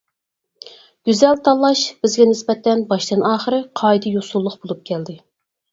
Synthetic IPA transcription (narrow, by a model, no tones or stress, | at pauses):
ɡ̥ʲyzɛlt̪ʰɑlˠːɑʃb̥ɪzɡʲɛnɪspɛt̪ʰːɛnbɑʃd̪ɨnɑːχəɾɨqʰɑjd̪ɨjosulˠːʊqbolˠup̚kʲʰɛld̪ɪ